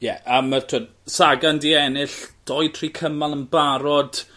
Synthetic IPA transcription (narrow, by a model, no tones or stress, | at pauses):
jɛʔamartʰɔd | saɡandiɛnɪɬd̥ɔj̚tʰrikʰəmalˠənbaɾɔd̥